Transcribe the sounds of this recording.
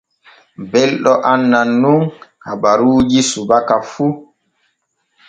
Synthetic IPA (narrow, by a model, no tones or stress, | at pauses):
bɛlɗɔʔanːanːuŋhaɓaɾuːd͡ʒisubakafu